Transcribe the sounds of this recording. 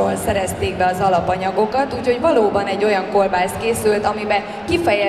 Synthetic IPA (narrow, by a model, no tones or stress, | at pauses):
oːlsɛɾɛst̪eːɡbɛɒzɒlɒpɒɲɒɡo̞kɒt̪uːcho̞ɟvɒloːbɒnɛɟːo̞jɒŋko̞rbaːst̪̚keːsylt̪ɒmibɛ | kifɛjɛ